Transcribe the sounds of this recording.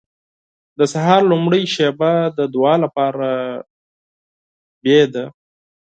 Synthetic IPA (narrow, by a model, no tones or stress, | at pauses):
d̪əsaɦɑɾlumɽəjʃebad̪əd̪wɑlapɑɾa | bjed̪a